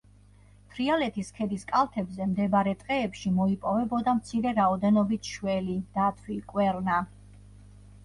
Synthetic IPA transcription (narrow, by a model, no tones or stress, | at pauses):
t̪ʰɾialɛt̪ʰiskʰɛd̪iskʼalˠt̪ʰɛbzɛmd̪ɛbaɾɛt̪ʼqʼɛːpʃimɔipʼɔvɛbɔd̪amt̪sʰiɾɛɾaɔd̪ɛnɔbit̪ʰʃwɛlid̪̥at̪ʰwikʼwɛɾna